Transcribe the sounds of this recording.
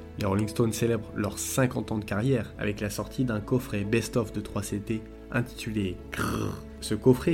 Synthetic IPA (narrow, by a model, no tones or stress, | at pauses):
leʁolĩŋɡst̪onselɛbʁlœʁsɛ̃kɑ̃t̪ɑ̃d̪əkaʁjɛʁa̰vɛklasɔʁt̪ʰid̪ɛ̃kɔfχebɛst̪ɔfd̪ət̪χwaset̪e | ɛ̃t̪i̥t̪ylek | səkɔfχe